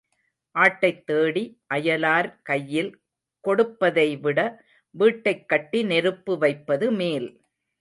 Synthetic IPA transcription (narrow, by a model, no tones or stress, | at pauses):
ʔaːʈːɐɪt̪ːeːɽiʔɐjɐlaːɾkɐjːɪl | kɔɽɯpːɐðɐɪʋɪɽɐ | ʋiːʈːɐɪkːɐʈːinɛɾɯpːɯʋɐɪpːɐðɯmeːl